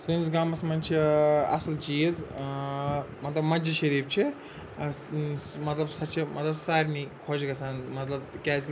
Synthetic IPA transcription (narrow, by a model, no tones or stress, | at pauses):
sɨnzɡaːmɐsmɐnʲt͡ʃʰiɐ̰slt͡ʃiz | mɐt̪lɐbmɐd͡ʒɐʃɐɾiːp̚t͡ʃʰi | mɐt̪lɐbsɐt͡ʃʰimɐt̪lɐsaːɾʲnikʰod͡ʒɡɐsaːnmɐt̪lɐbkʲaːzk